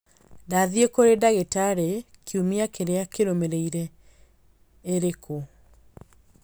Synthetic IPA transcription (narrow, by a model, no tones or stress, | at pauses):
daðiekoɾedaɣetaɾekʰiumiakeɾeakeɾomeɾeiɾe | ɾekʰo